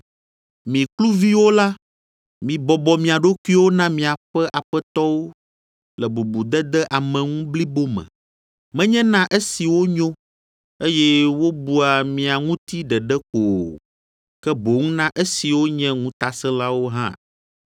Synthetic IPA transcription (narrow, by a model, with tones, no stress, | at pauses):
mĩ˨klu˦vi˦wo˦la˦ | mĩ˨bɔ˨bɔ˨mĩ˨a˨ɖo˦kʷu˦i˦wo˦nã˦mĩ˨a˨ɸɛ˦ʔa˨ɸɛ˦t̪ɔ˦wo˦ | lɛ˨bu˨bu˨d̪ɛ˦d̪ɛ˦ʔa˨mɛ̃˨ŋũ˦bli˦bo˦mɛ̰̃˨ | mɛ̃˦ɲɛ̃˦nã˦ʔe˦si˨wo˦ɲõ˦ | e˦jɛ˦wo˦bu˦a˨mĩ˨a˨ŋũ˦t̪i˦ɖɛ˨ɖɛ˦ko˨ | kɛ˦bo˨ŋũ˦nã˦ʔe˦si˨wo˦ɲɛ̃˦ŋũ˦t̪a˨sɛ˦la˦wo˦ɦã̰˦